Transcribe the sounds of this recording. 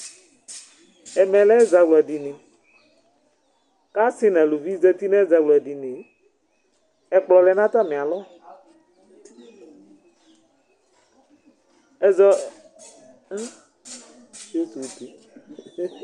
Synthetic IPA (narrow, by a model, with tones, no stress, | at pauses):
ɛ˨mɛ̃˨lɛ˦za˨ɡlɔ˨a˨di˨nĩ˨ | ka˦si˦nã˨lo˨vi˦zɛ˦t̪i˦nɛ̃˦za˨ɡlɔ˨a˨di˨nĩ˨ | ɛ˨k͡plɔ˨lɛ˨˦nã˦t̪a˦˨mɛ̃˨a˨lɔ˦ | ɛ˨zɔ˦ | o˦t̪u˨t̪i˨